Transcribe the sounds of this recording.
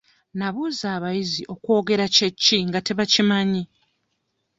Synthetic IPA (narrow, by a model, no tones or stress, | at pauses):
naβuzaːβajiziʔo̞kwo̞ːɡe̞ɾacecːiŋɡate̞βacimaɲi